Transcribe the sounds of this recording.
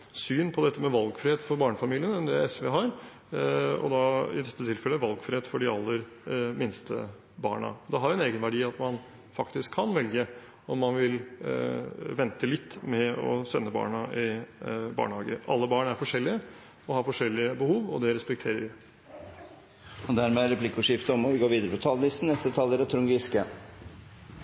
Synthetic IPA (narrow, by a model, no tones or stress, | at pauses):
syːnpʰɔd̪ɛt̪ːəmɛʋɑlɡfɾɪheːt̪fɔɾbɑːɳəfɑmiːlɪənɛnd̪ɛɛsʋɛɦɑːɾ | ɔ̰d̪ɑɪ̰d̪ɛt̪ːət̪ʰɪlfɛlːəʋɑlɡfɾɪheːt̪fɔɖɪɑlːəɾ | mɪnst̪ʰə̰ | bɑ̰ːɳɑ̰d̪ɛɦɑɾɛneːɡənʋæɖiːɑt̪mɑn | fɑkt̪ɪskʰːɑnʋɛlɡə | ɔmːɑnʋɪl | ʋɛnt̪əlɪt̪ːmɛɔ̰sɛnːəbɑ̰ːɳɑʔɪbɑ̰ːɳhɑːɡə̰ʔɑ̰lːəbɑːɳæɾfɔʂɛlːɪə | ɔhɑɾfɔʂɛlːɪəbəhuːʋɔd̪ɛɾɛspɛkt̪ʰeːɾəɾʋɪ | ɔd̪æɾmɛæɾɛpʰlɪkːʊʂɪft̪əɔmɔʋɪɡoːɾʋiːd̪əɾəpʰɔt̪ʰɑːləlɪst̪n̩ɛst̪ət̪ʰɑlːəɾɑt̪ʰɾʊŋɡɪskə